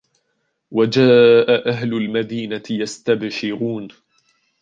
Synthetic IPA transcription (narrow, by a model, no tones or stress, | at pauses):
wad͡ʒaːʔaʔaɦlʊlmad̪iːnaɪjast̪abʃɪɾuːn